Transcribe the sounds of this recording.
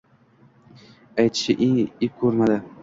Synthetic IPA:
ajt̪ʰɪ̥ʃɪʔeŋɪp̚kʰɵɾmad̪ɪ

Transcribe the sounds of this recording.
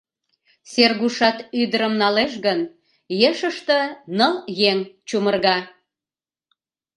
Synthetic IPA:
serɣuʃɑt̪yd̪əɾəmnɑleʃɣən | jeʃəʃt̪ənəljeŋt͡ɕumərɣɑ

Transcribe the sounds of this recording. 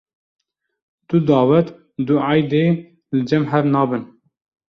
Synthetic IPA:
t̪ud̪ɑːwɛt̪ | d̪uɑjd̪eː | lɨd͡ʒɛmɦɛvnɑːbɨn

